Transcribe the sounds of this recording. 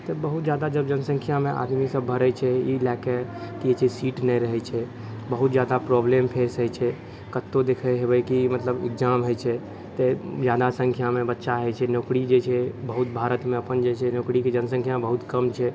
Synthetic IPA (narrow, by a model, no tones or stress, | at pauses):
t̪ɔbəɦut̪d͡ʒad̪ad͡ʒəbd͡ʒənəsə̃ŋkʰijamẽʔa̰d̪misəbʱəɾəjt͡ʃʰɛilɛkekiet͡ʃisiʈnɛjɾəɦɛt͡ʃʰɛ | bəɦut̪d͡ʒad̪apɾɔblempʰeɾsət͡ʃʰɛ | kət̪ːod̪ekʰəɦebəjkimət̪ləbɪ̰kd͡ʒamɦojt͡ʃʰɛ | t̪ed͡ʒjad̪asə̃ŋkʰjamẽbətːʃaɦəjt͡ʃʰɛnokɾid͡ʒet͡ʃʰɛbəɦut̪bʱaɾət̪mẽəpənd͡ʒet͡ʃʰɛnokɽiked͡ʒənsə̃ŋkʰjaebəɦut̪kəmt͡ʃʰɛ